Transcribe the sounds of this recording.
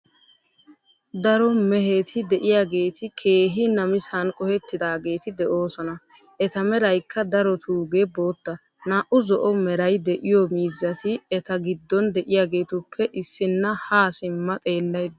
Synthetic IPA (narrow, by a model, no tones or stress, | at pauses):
d̪ɐɾɔmɛɦeːt̪ʰɪd̪ɛʔɪjaːɡe̞ːt̪ɪkʰe̞ːɦɪnɐmɪsɐnkʼɔhɛt̪ːɪd̪aːɡe̞ːt̪ɪd̪ɛʔo̞ːsɔnɐ | ʔɛt̪ɐmɛɾɐjkʰːɐd̪ɐɾɔt̪ʰuːɡebo̞ːt̪ːɐ | naːʔʊzɔʔɔmɛɾɐjd̪ɛʔɪjɔmiːzːɐt̪ɪɛt̪ɐɡɪd̪ːɔnd̪ɛʔɪjaːɡe̞ːt̪ʊpʰːɛʔɪsːɪnːɐhaːsɪmːɐt̪ʼe̞ːlːɐjd̪